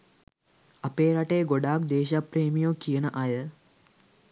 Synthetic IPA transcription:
apeːɾaʈejɡoɖaːkd̪eːʃapreːmijokijənəʔajə

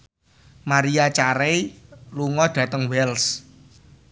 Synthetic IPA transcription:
maɾiat͡ʃaɾeluŋɔɖ̪̥ä̤t̪əŋwɛls

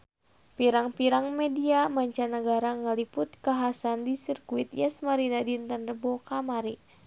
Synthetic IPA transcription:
piɾaŋpiɾaŋmɛdiamaɲt͡ʃanəɡaɾaŋəlipʊt̪̚kaɦasandisirkuit̪jasmaɾinadint̪ənrəbɔkamaɾi

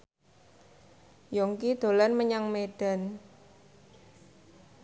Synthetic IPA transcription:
jɔŋkid̪̥o̤lanməɲaŋmed̥a̤n

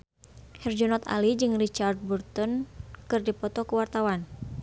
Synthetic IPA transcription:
hɛrd͡ʒɔnɔt̪a̰lid͡ʒɨŋrit͡ʃard̪̚burt̪ɔnkɨrdipɔt̪ɔkuwart̪awan

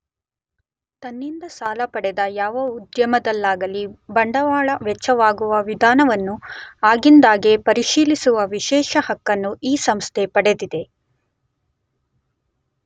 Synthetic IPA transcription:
t̪ɐnːind̪ɐsaːlɐpɐɽɛd̪ɐjaːʋɐud̪jɐmɐd̪ɐlːaːɡɐlibɐɳɖɐʋaːɭɐʋɛt͡ʃːɐʋaːɡuʋɐʋid̪ʱaːnɐʋɐnːuaːɡind̪aːɡe̞pɐɾiʃiːlisuʋɐʋiʃɛːʃɐhɐkːɐnːuʔiːsɐmst̪ʰe̞pɐɽe̞d̪id̪e̞

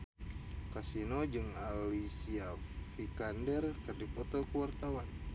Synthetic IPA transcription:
kasinod͡ʒɨŋalisiafikandɛrkɨrdipɔt̪ɔkəwart̪awan

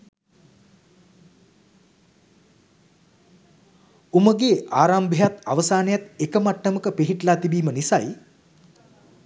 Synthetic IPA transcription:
uməɡeːaːɾaːmbijat̪aʋəsaːnejat̪ekəmaʈːəməkəpiɦiʈlaːt̪ibiːmənisaj

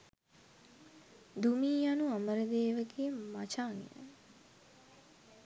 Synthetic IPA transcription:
d̪umiːjanuaməɾəd̪eːʋəɡeːmat͡ʃaːŋḭnə̰

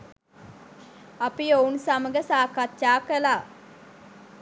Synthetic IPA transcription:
apiounsaməɡəsaːkat̪ʃaːkəlaː

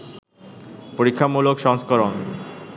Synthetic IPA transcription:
poɾikʰːamulokʃɔŋskoɾon

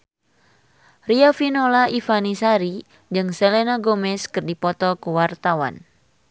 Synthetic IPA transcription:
riafinɔlaʔifanisaɾi | d͡ʒɨŋsɛlenaɡomɛskɨrdipɔt̪ɔkuwart̪awa̰n

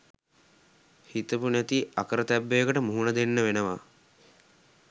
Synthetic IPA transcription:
hit̪əpunæt̪iakəɾət̪æbːejəkəʈəmuɦunəd̪enːəʋenəʋa̰

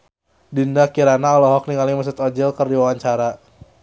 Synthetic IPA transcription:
dindakiɾanaɔlɔɦɔk̚niŋaliməs̬ut̪ɔd͡ʒɛlkərdiwawaɲt͡ʃaɾa

